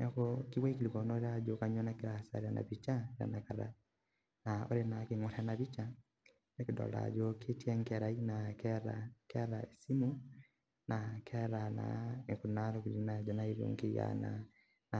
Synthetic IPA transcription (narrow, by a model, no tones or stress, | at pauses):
nakɔkiwaikilikɔnɔɾead͡ʒokaɲɔnakeɾasa̰ɾeana̰βit͡ʃaɾa̰nakaɾa̰ | naɔ̰ɾenakeŋɔɾanaβit͡ʃa | nekedɔ̰la̰d͡ʒoketiaŋkɛɾainakɛɾakɛɾaesimu | nakʰɛɾana̰ekunaɾɔkiɾinad͡ʒɔnaiɾo̰ŋkeja̰na̰ | na